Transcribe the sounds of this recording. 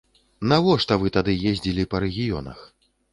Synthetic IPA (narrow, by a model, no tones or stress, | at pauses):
navɔʂt̪ɐvɨt̪ad̪ɨjezʲd͡zʲilʲipɐɾɛɣʲijɔ̰nɐ̰x